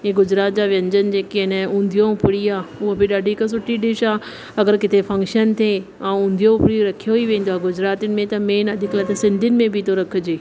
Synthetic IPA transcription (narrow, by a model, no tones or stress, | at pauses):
ẽːɡʊd͡ʑɾaːt̪̚d͡ʑaʋjɐ̃ɲd͡ʑən̆d͡ʑeːkeɪnəũːnd̪ʱijõʊpɽiaːʊɦobɪɗaːɖʱikas̬ʊʈʰiɗɪʃaː | ɐɡəɾkɪt̪efɐ̃ŋkʃənt̪ʰe | ãːʊ̃ːn̆d̪ʱijõʊpɪɽiɾɐkʰijoɦiʋẽːnd̪oaːɡʊd͡ʑɾaːt̪ɪnɪ̆mẽt̪ɐmeːnɐd̪ʱɪklət̪esɪ̃nd̪ʱɪnɪ̆mẽbʱɪt̪oɾɐkʰʊ̆d͡ʑeː